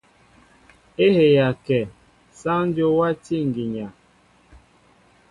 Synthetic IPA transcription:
e˦he˨ja˨kɛ˨ | sa˦n˦d͡ʒo˦wa˦ti˦ŋ˨ɡi˨ɲa˨

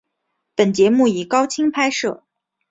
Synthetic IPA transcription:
pə˨˩nt͡ɕjɛ˧˥mu˥˩i˨˩kɑ˥ʊt͡ɕʰi˥ŋpʰa˥ɪʂɤ̰˥˩

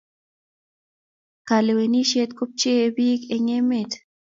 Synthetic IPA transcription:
ka˨le˨we˨ni˦ʃe˦t̪ko˦p̚t͡ʃe˦e˦bi˦ke˨ɲe˦me˨t

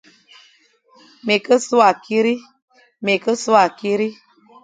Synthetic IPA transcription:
me˨kə˦su˦a˨ki˦ɾi˦ | me˨kə˦su˦a˨ki˦ɾi˦

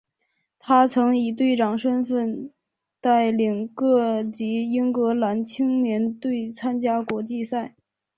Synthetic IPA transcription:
t̪ʰa˥t͡sʰɤ˧˥ŋi˨˩t̪we˥˩ɪʈ͡ʂɑ˨˩ŋʂə˥nfə˥˧n | t̪a˥˩ɪli˨˩ŋkɤ˥˩t͡ɕi˧˥i˥ŋkɤ˧˥la˧˥nt͡ɕʰi˥ŋnjɛ˧˥nt̪we˥˩ɪt͡sʰa˥nt͡ɕja˥kwɔ˧˥t͡ɕi˥˧sa˥˩ɪ

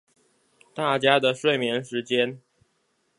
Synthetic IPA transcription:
t̪a˥˩t͡ɕja˥d̪ə˨ʂwe˥˩ɪmjɛ˧˥nʂɻ̩˧˥t͡ɕjɛ˥n

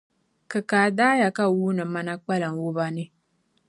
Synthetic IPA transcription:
kɨ˨kaː˨daː˦ja˨ka˦wuː˦nɨ˨ma˦na˦k͡pa˦lɨ˨ŋ˨wʊ˦ba˦nɨ˦

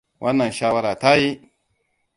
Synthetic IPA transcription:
wʔa˦nːa˨n˨ʃa˦wa˦ɾa˨ta˦ji˦

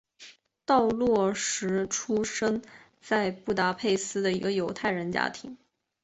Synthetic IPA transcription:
t̪ɑ˥˧ʊlwɔ˥˩ʂɻ̩˧˥ʈ͡ʂʰu˥ʂə˥ŋ | t͡sa˥˧ɪpu˥˩t̪a˧˥pʰe˥˩ɪsɹ̩˥d̪ə˨ḭ˧˥ɡə˧jo˧˥ʊt̪ʰa˥˩ɪɻə˧˥nt͡ɕja̰˥t̪ʰi˧˥˦ŋ

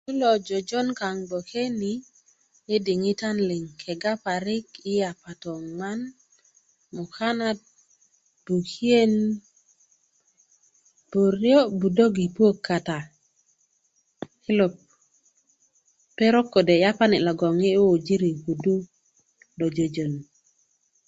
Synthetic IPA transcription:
u˦lɔ˨d͡ʒɔ˨d͡ʒɔ˦nka˨ŋbo˨kʰe˦ni˨ | e˦di˨ŋɪ˦ta˦nlɪ˨ŋkʰɛ˨ɡa˦pa˨ɾɪ˦kɪ˦ja˨pa˨tɔ˨ŋma˦n | mʊ˨ka˦na˦t̚ | b̥u˨ki˦e˦n | b̥o˨ɾjɔ˦bu˨do˦ɡi˨pwo˦kʰːa˨ta˨ | hɪ˦lo˨p | e˦ɾo˦kːo˨de˨ja˦pa˦nɪ˨lɔ˨ɡɔ˨ŋe˦o˦˨d͡ʒi˦ɾi˨ɡu˨du˦ | do˨d͡ʒo˨d͡ʒo˨n

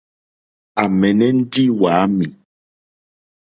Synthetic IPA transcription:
a˨mɛ˨nɛ˦n̩˦di˦waː˨˦mi˨

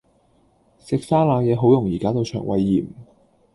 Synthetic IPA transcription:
sɪ˨k̚saː˥laː˨˧jɛː˨˧ɦo˨˥wjʊ˨˩ŋjiː˨˩kaː˥t̪o˧wt͡ʃʰœ̰ː˨˩ŋwɐ̰˨˧jːiː˨˩m

